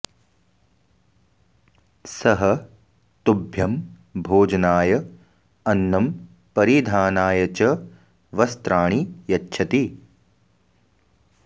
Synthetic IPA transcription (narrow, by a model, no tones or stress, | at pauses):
sɐɦɐ | t̪ubʱjɐm | bʱoːd͡ʒɐnaːjɐ | ɐnːɐm | pɐɾid̪ʱaːnaːjɐt͡ʃɐ | ʋɐst̪ɾaːɳijɐtːʃʰɐt̪i